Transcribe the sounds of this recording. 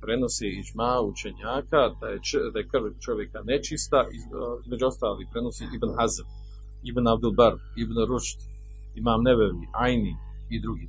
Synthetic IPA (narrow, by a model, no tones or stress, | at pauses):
pɾeno̞seid͡ʒmaut͡ʃe̞ɲaːkad̪ajed̪ajekr̩ʋt͡ʃo̞ʋje̞kane̞t͡ʃist̪aʔiizme̞d͡ʑuo̞st̪aːlipɾe̞no̞siʔibnɦazam | ibnab̚d̪ulˠbaɾ | ibnɾuʃt̪ | imaːmneβeʋiʔajni | id̪ɾuɡi